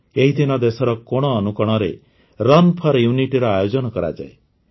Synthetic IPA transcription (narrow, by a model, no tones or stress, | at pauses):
eɦid̪ʱinɔd̪esɔɾɔkoɽ̃ɔːnukɔɽ̃ɔɾe | ɾɔnpʰɔɾjuniʈiɾɔajod͡ʒɔnɔkɔɾa̰d͡ʒa̰e